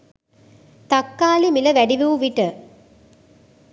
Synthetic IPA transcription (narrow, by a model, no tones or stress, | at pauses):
t̪akːaːlimiləʋæɖiʋiʋuʋiʈə